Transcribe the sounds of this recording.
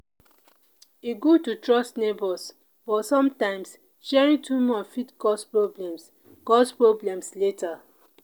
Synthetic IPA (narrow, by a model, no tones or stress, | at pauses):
iɡotutɹɔstnebɔs | b̥ɔtsɔ̃mtãɪ̃ms | ʃɛɹĩŋtʰumɔfitkɔspɹoblɛ̃ms | kɔspɹoblɛ̃msleta